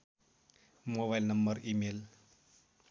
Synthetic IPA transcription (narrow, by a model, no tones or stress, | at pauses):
moβajlnʌmbʌɾimel